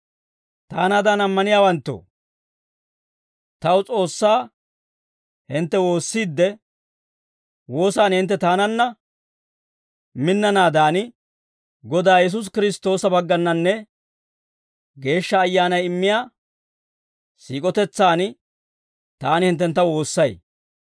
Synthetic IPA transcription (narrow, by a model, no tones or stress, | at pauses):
t̪aːnaːd̪aːnɐmːɐnɪjaːwɐnt̪ːo̰ː | t̪ɐwt͡sʼo̞ːsːaː | hɪnt̪ːɛwo̞ːsːiːd̪ːɛ | wo̞ːsaːnhɪnt̪ːɛt̪aːnɐnːɐ | mɪnːɐnaːd̪aːn | ɡɔd̪aːjɛs̬ʊs̬kɪɾɪst̪o̞ːsɐbɐɡːɐnːɐnːɛ | ɡe̞ːʃːɐːjːaːnɐjɪmːɪjaː | sḭːkʼɔt̪ɛt͡sːaːn | t̪aːnɪhɪnt̪̬ːɛnt̪ːɐwo̞ːsːɐj